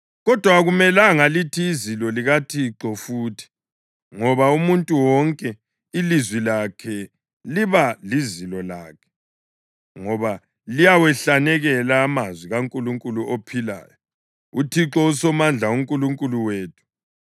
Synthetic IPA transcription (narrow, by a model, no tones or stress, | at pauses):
ɣɔd̥ʱwaɣumɛlaŋalitʰiːzilɔliɣatʰiǁɔfuːtʰi̥ | ŋɔβaumuntʼuwɔŋkʼɛ | ilizwilakʰɛ | liβalizilɔlaːkʰɛ̥ | ŋɔβa | lijawɛɬanɛɣɛlaːmazwiɣaŋkʼuluŋkʼuluʔopʰila̰ːjɔ | utʰiǁɔusɔmand͡ɮʱauŋkʼuluŋkʼuluweːtʰu̥